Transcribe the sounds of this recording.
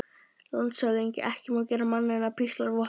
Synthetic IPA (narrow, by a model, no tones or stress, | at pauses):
lant̪sœðiɲcɪ̰ʔɛhcɪmawcɛːɾamanːɪnapʰist̪laɾvɔ